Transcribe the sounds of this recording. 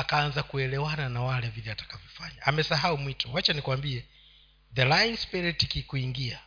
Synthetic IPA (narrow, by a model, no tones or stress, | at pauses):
akaanzakuɛlɛwananawalɛvilɛatḁkavjɔfaɲaamɛsaɦaumwitʰɔwat͡ʃanikwambiɛ | ðɛlainspiɾitikikuiŋɡia